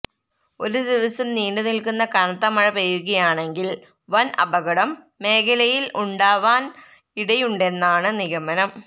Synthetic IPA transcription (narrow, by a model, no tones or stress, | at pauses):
o̞̰ɾud̪iʋɐsɐmniːɳɖɨnilkunːɐkɐnɐt̪ːɐmɐɻɐpɐjuɣɐjaːɳe̞ŋɡil | ʋɐnɐ̰bɐɣɐɽɐmː | e̞ːkʰɐlɐjiluɳɖaːʋaːn | iɽɐjuɳɖe̞nːaːɳɨniɣɐmɐnɐm